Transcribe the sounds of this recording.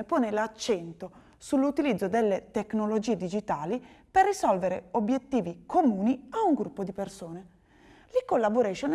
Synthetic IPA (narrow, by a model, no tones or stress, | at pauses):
epoːnelat͡ʃːɛnt̪o | sulːut̪ilid̪zːod̪elːet̪eknolod͡ʒiːed̪id͡ʒit̪aːliperːisɔlveɾeobːjet̪ːiːvikomuːniauŋɡɾupːod̪ipersoːne | likolːaboɾɛʃon